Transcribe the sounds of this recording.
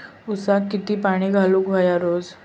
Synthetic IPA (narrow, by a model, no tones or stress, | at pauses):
usakːit̪iːpaɽ̃iːɡʱaluːkʋajaɾoːd͡z